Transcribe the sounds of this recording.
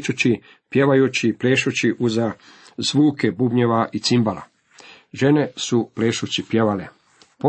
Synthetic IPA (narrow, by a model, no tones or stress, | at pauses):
t͡ʃut͡ɕi | pje̞ʋajut͡ɕipleːʃut͡ɕiʔuza | z̥ʋuːkebubɲeʋaʔit̪simbala̰ | ʒe̞nesupleːʃut͡ɕipje̞ʋale | po